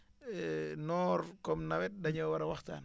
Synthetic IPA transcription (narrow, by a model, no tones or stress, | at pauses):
nɔːɾkɔmnawɛt̚ɗaɲowaɾawaxta̰n